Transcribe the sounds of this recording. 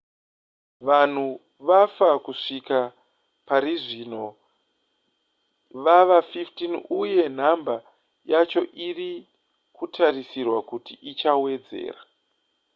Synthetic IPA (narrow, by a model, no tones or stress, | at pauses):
ʋan̤u | ʋafakuʂika | paɾiʐino̞ | ʋaʋafiftinuje̞n̤amba | jat͡ʃo̞ʔiri | kutʰarisirwakutiʔit͡ʃawe̞d͡ze̞̰ːra